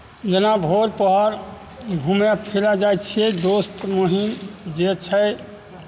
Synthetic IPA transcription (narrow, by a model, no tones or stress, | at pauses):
d͡ʒənabʱoɾpəɦɔɾ | ɡʱumjapʰilad͡ʒajt̪t͡ʃʰied̪ost̪moɦind͡ʒet͡ʃʰə